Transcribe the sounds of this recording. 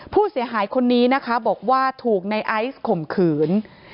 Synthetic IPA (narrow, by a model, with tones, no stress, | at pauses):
pʰuː˥˩si˨˩˦əɦaː˩˦jkʰo˧nːiː˦˥na˦˥kʰa˦˥bɔː˨˩k̚waː˥˩t̪ʰuː˨˩k̚na˧jʔa˦˥jskʰo˨˩mkʰɯː˩˦n